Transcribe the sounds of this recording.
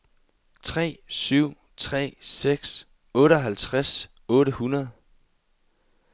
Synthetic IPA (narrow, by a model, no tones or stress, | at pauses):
t͡sʰʁɛ̰ːsyʊ̰ | t͡sʰʁɛ̰ːseɡ̥s | ɔ̽ːɾəɒɦælt͡sʰʁas | ɔ̽ːɾəhunɐð̞ˠ